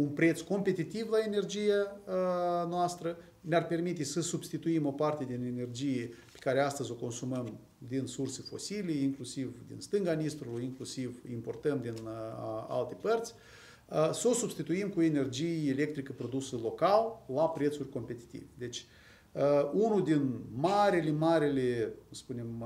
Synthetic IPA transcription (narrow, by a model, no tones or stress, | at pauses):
unpɾe̞t̪sko̞mpe̞t̪it̪ivlae̞ne̞rd͡ʒijaənoast̪ɾə | nearpe̞rmit̪e̞səsubst̪it̪uimo̞part̪e̞d̪inene̞rd͡ʒijepe̥kaɾeast̪əzʲo̞ko̞nsuməm | d̪insursefo̞sileiŋklusivd̪ḭnst̪ɨŋɡanist̪ɾuuiŋklusivimpo̞rt̪əmd̪ina̰lt̪e̞pərt̪sʲ | so̞sub̥st̪it̪uimkuoene̞rd͡ʒijeele̞k̚t̪ɾikəpɾo̞d̪usəlo̞kallːapɾe̞t̪surʲko̞mpe̞t̪i̥t̪ḭved̪e̞t͡ʃʲ | əunud̪inmaɾile̞maɾilespune̞m